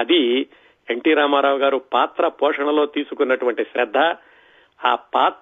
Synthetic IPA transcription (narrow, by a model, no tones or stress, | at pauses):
ɐd̪i | eɳʈiːɾaːmaːɾaːʋɐɡaːɾupaːt̪ɾɐpɔːʂɐɳɐlo̞ːt̪iːsukunːɐʈuʋɐɳʈiʃɾɐd̪ʱːɐ | aːpaːt̪